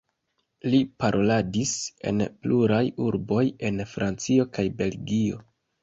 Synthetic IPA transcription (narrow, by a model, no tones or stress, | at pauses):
lipaɾʔo̞ladise̞̰npluɾajuɾbo̞je̞nfɾʔant͡sio̞kajbe̞lɡio̞̰